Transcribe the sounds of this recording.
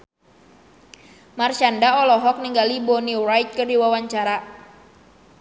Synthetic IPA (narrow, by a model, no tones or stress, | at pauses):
mart͡ʃandaɔlɔɦɔk̚niŋɡalibɔnirajt̪̚kɨrdiwawaɲt͡ʃaɾa